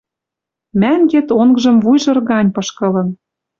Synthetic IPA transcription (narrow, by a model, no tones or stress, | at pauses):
mæŋɡet̪oŋɡʒɤ̆mvujʒɤ̆rɣɑnʲpɤ̆ʃkɤ̆lɤ̆n